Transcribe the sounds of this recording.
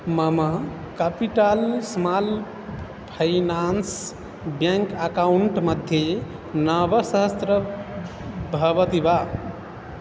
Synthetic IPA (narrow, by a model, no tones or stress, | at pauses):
mama | kapiʈalsmal | pʰəɪnans | bjãŋkəkauɳʈməd̪ʱje | nəbəsəɦəst̪ɾə | bʱəbət̪iba